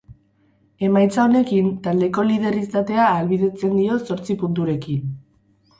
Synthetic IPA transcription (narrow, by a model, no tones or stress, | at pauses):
e̞majt͡sao̞ne̞kint̪ald̪e̞ko̞lið̞e̞rist̪at̪e̞aːlβið̞e̞t͡se̞nd̪io̞so̞ɾt͡sipunt̪̬uɾe̞kin